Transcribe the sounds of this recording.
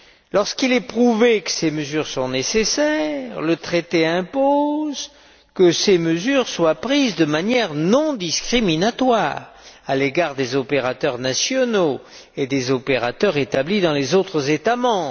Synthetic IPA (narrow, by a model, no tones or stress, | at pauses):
lɔʁskilɛpχuvekə̥seməzyʁsɔ̃nesesɛʁlət̪χet̪eɛ̃poz | kəseməzyʁswapχizd̪əmanjɛʁnɔ̃d̪iskχiminat̪waʁaleɡaʁd̪ezɔpeʁat̪œʁnasjɔno | ed̪ezɔpeʁat̪œʁet̪ablid̪ɑ̃lezot̪χəzet̪amɑ̃b